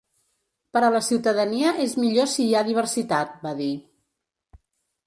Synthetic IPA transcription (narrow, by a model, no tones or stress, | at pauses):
pəɾələsiwt̪əðəniəʔezmiʎosiːaðiβ̞ərsit̪at̪̚baði